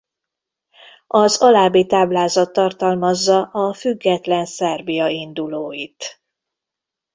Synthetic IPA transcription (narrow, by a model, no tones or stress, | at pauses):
ʔɒzɒlaːbit̪aːblaːzɒt̪ːɒrt̪ɒlmɒzːɒʔɒfyɡːɛt̪lɛnsɛrbijɒind̪uloːjit̪